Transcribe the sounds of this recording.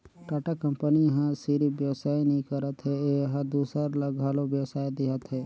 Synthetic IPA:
ʈaʈakə̃mpəniɦə̃siɾibjəʋsaːjnəĩkəɾət̪ɦeeɦəd̪uːsəɾləɡʱaːlobjəwsaːjd̪iɦət̪ɦɛː

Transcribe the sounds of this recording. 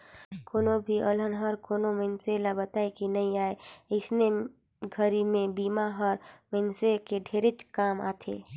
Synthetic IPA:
koːnobʱiʔələnɦəɾkoːnomenselabət̪aekinəĩaːeɪsne | ɡʱəɾimẽbiːmaɦɔɾmensekeɖʱeːɾet͡ʃkaːma̰ːt̪ʰḛː

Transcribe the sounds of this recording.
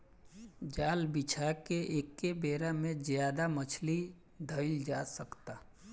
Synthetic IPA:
d͡ʒaːlbit͡ʃʰakeʔeːkːebeːɾamẽzjaːd̪amət͡ʃʰli | d̪ʱəɪld͡ʒaːsəkt̪a

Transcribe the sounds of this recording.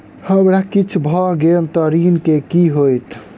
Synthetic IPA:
həmɽakit͡ʃʰbʱɔɡent̪əɾinkekiɦojt̪

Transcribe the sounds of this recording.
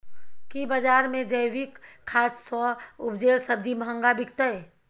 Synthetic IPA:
kibəd͡ʒaːɾmẽd͡ʒəjwikʰːaːt͡ʃsɔʊpd͡ʒeɾsəbd͡ʒimɦə̃ŋɡabikt̪əe

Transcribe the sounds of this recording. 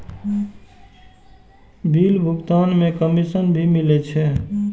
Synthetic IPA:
bʱilbʱukt̪anmekəmisənbʱimilɛt͡ʃʰɛ

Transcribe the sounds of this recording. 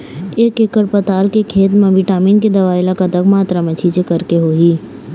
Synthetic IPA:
eːkekːəɾpət̪aːlkekʰeːt̪mẽbiʈaːmiːnked̪ɐʋaːɪlakat̪əkmaːt̪ɾamɐt͡ʃʰiːd͡ʒekɐɾkeɦoːɦiː

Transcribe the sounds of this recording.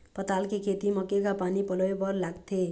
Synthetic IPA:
pʌt̪alkekʰet̪imʌkekapanipʌlɔjpʌɾlaɡt̪ʰe

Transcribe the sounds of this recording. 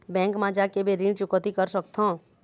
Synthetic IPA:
bɛ̃ːŋkmãd͡ʒakebʱiɾĩɖt͡ʃʊkət̪ikəɾsək̚t̪õː

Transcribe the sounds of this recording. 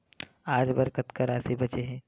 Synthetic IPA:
aːd͡ʒbɐɾkət̪kɐɾaːsebɐt͡ʃeɦɛ̃ː

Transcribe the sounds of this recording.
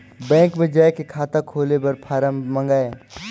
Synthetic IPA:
bɛ̃ːŋkmẽd͡ʒaːekekʰaːt̪akʰoːlebɐɾpʰaːɾəmmɐ̃ŋɡaːe

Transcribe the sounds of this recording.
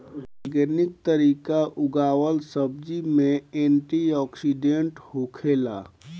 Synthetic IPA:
ɔɾɡeːnɪk̚t̪əɾiːkaʔʊɡaːwəlsəb̚d͡ʒimẽẽːɳʈiɔːksiɖẽɳʈhokʰeːla̰ː

